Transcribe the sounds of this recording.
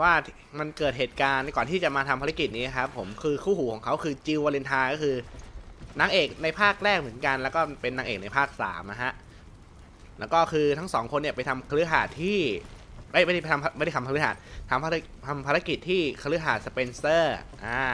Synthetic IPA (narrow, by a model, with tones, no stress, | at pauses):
waː˥˩ | ma˧nkɤː˨˩t̪̚heː˨˩t̪̚kaː˧nkɔː˨˩nt̪ʰiː˥˩t͡ɕa˨˩maː˧t̪ʰa˧mpʰa˧ɾa˦˥ki˨˩t̪̚niː˦˥na˧kʰa˦˥pʰːo˩˦mkʰɯː˧kʰuː˥˩huː˩˦kɔː˩˦ŋkʰa˦˥wkʰɯː˧t͡ɕi˧wa˧li˧nt̪ʰaː˧kɔː˥˩kʰɯː˧ | naː˦˥ŋʔeː˨˩k̚na˧jpʰaː˥˩k̚ɾɛː˥˩k̚m˩˦ə˦nka˧nlɛː˦˥wkɔː˥˩pe˧nːaː˦˥ŋʔeː˨˩k̚na˧jpʰaː˥˩k̚sa̰ː˩˦mna˦˥ɦʰa˦˥ʔ | lɛː˦˥wkɔː˥˩kʰɯː˧t̪ʰa˦˥ŋsɔː˩˦ŋkʰo˧nːi˥˩pa˧jt̪ʰa˧mkʰa˧lɯ˦˥ɦaː˨˩t̪ʰːiː˥˩ma˦˥˩jma˥˩a˥˩pa˧jt̪ʰa˧mpm˥˩ɾa˥˩tʰa˧mpʰa˧ɾɯ˦˥ɦa̰ː˨˩t̪̚ʰːa˧mpʰa˧˦˥ | t̪ʰa˧mpʰaː˧ɾa˦˥ki˨˩t̪ʰːiː˥˩kʰa˧lɯ˦˥ɦaː˨˩t̪̚sa˧pe˧nsɤː˥˩ʔaː˧˩